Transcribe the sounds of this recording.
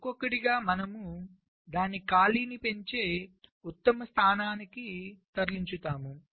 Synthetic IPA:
kokːɐɽiɡaːmɐnɐmu | d̪aːnikaːliːnipe̞ɲt͡ʃe̞ːut̪ːɐmɐst̪ʰaːnaːnikit̪ɐɾliɲt͡ʃut̪aːmu

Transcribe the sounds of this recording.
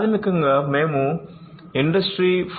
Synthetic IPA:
ðɪmɪkːɯŋɡɐmeːmũ | ɪɳɖɐsʈɾif

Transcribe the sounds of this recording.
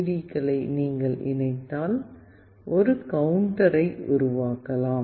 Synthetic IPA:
ðikːɐɭɐɪniːŋɡɐɭɪ̰nɐɪt̪ːaːl | ʔɔɾɯkɐʋʊɳʈɐɾɐɪʊɾʊʋaːkːɐlaːm

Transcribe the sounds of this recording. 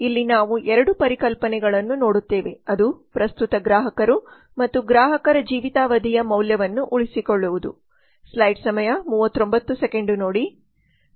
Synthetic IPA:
ilːinaːʋuʔɛɾɐɽupɐɾikɐlpɐnɛɡɐɭɐnːuno̞ːɽut̪ːe̞ːʋe̞ɐd̪upɾɐst̪ut̪ɐɡɾaːɦɐkɐɾu | mɐt̪ːuɡɾaːɦɐkɐɾɐd͡ʒiːʋit̪aːʋɐd̪ʱijɐmɐwljɐʋɐnːuʔuɭisikoɭːuʋud̪ṵ | slɐjɖsɐmɐjɐmuːʋɐt̪ːɾo̞mbɐt̪ːusekeɳɖuno̞ːɽi

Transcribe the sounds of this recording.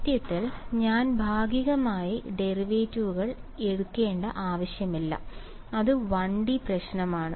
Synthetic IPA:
t̪jɐt̪ːilɲaːnbʱaːɡiɣɐmaːjiɖe̞riʋeːtːuʋuɣɐɭeɽukːe̞ːɳɖɐʔaːʋɐɕjɐmilːɐ̰ | ɐðɨʋɐɳɖiprɐɕnɐmaːɳɨ

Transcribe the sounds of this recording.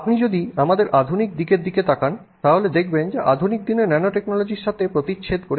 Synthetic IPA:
pnid͡ʑod̪iamad̪eɾʔad̪ʱunik̚d̪ikeɾd̪iket̪akan | t̪aɦoled̪ekʰbend͡ʑeʔad̪ʱunik̚d̪inenɛnoʈeknolod͡ʑiɾʃat̪ʰepɾot̪iɕʰet̪koɾe

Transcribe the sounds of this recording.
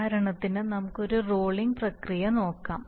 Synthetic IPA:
aɾɐɳɐt̪ːinɨnɐmukːo̞ɾuroːɭiŋɡprɐkrijɐno̞ːkːa̰ːm

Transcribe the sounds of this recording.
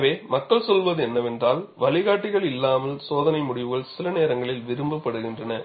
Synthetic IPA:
ʋeːmɐkːɐɭsɔlʋɐðɯɛnːɐʋɛndraːlʋɐlɪɣaːʈːɪɣɐɭɪlːaːmɐlsoːðɐnɐɪmʊɽɪʋɯɣɐɭsɪlɐneːɾɐŋɡɐɭɪlʋɪɾɯmbɐpːɐɽɯɣɪndrɐnɐ

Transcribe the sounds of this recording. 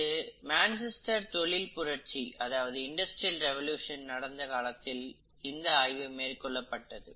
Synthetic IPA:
ɯmaːnsɛsʈɐɾt̪ɔɭɪlpʊɾɐʈt͡ʃiɐðaːʋɐðɯɪɳɖɐsʈɾilɾɛʋɐljuːʂɐnnɐɽɐnd̪ɐkaːlɐt̪ːɪl | ɪnd̪ɐajʋɯmeːrkːɔɭːɐpːɐʈːɐðɯ

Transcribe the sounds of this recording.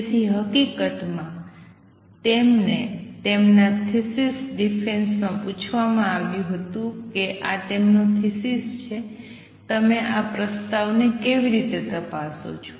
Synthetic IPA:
t̪ʰiɦəkikət̪mã | t̪emnet̪emnat̪ʰisisɖifensmãput͡ʃʰʋamãaʋjũɦət̪ũkeʔat̪emnot̪ʰisist͡ʃʰe | t̪əmeʔapɾəst̪aʋnekeʋiɾit̪et̪əpaso̰t͡ʃʰo̥

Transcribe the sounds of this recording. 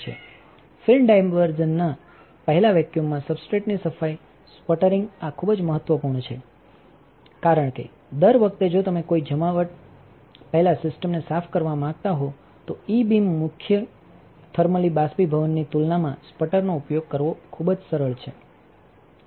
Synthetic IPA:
t͡ʃʰḛ | fʰɪlmɖajmʋəɾd͡ʒənːa | pəɦɛlaʋɛkjumːãsəbsʈɾeʈnisəfai | spəʈəɾɪ̃ŋɡakʰubd͡ʒməɦət̪ʋəpuɾɳt͡ʃʰḛ | kaɾəɳkḛ | d̪əɾʋək̚ʰt̪ed͡ʒot̪əmekoid͡ʒəmaʋəʈ̚ | pəɦɛlasɪsʈəmnesafʰkəɾʋamãɡ̚t̪aɦo | t̪oibimːʊkʰjə | t̪ʰəɾməlibaspibʱəʋənːit̪ulnamãspəʈəɾnoupjoɡ̚kəɾʋokʰubd͡ʒsəɾəɭt͡ʃʰe

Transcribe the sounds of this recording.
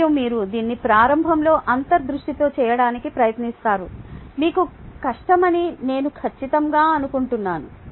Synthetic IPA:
ɐmmiːɾud̪iːnːipɾaːɾɐmbʱɐmlo̞ːʔɐnt̪ɐɾd̪ɾuʂʈit̪o̞ːt͡ʃɛːjɐɽaːnikipɾɐjɐt̪nist̪aːɾumiːkukɐʂʈɐmɐnine̞ːnukʰɐt͡ʃːit̪ɐŋɡaːɐnukuɳʈunːaːnu

